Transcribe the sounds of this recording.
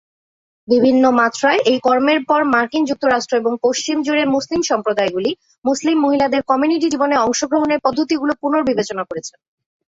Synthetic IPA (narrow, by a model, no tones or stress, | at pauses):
bibʱinːomat̪ːɾaeʔejkɔɾmeɾpɔɾmaɾkind͡ʑuk̚t̪oɾaʃʈɾoeboŋpoʃt͡ɕimd͡ʑuɾeɾmuslimʃɔmpɾod̪aeɡuli | muslimːoɦilad̪eɾkɔmijuniʈ̬id͡ʑiboneɔŋʃoɡɾoɦoneɾpɔd̪ʱːot̪iɡulopuɾnoɾbibet͡ɕonakoɾet͡ɕʰen